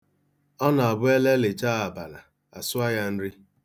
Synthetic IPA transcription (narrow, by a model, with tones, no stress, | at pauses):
ɔ˦na˨a˨bʊ˦e˦le˦lɪ˨t͡ʃa˦a˨ba˨la̰˨ | a̰˨sʊ˦a˦ja˦n̩˦ɾɪ˦